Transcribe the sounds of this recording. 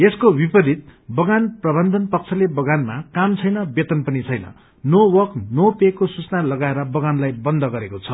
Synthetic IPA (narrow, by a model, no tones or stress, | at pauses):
eskobipʌd̪ʱit̪̚bʌɡanprʌbʌnd̪ʱʌnpʌk̚t͡sʰʌlebʌɡanmakamt͡sʰʌjnʌbet̪ʌnpʌnit͡sʰʌjnʌ̰ | nowʌknopekːosut͡snalʌɡaeɾʌbʌɡanlajbʌnd̪ʱʌɡʌɾekot͡sʰʌ